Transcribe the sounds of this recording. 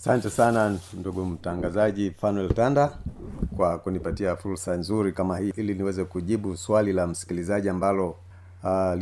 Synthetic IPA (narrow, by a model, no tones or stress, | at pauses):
asantɛsananduɡum̩taŋɡazaʄifanwɛltandakwakunipatiafuɾsanzuɾikamahiʔiliniwɛzɛkuʄiɓuswalilam̩si̥kilizaʄiambalɔ | l